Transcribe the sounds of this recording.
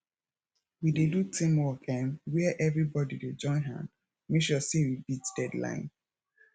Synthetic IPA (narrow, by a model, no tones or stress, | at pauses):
widedutʰĩmwɔkʰɛ̃nwiɛʔɛvɹibɔdided͡ʒɔ̃ɪ̃nɦã̰ | meʃɔseɹibitd̥ɛdlã̰ɪ̃n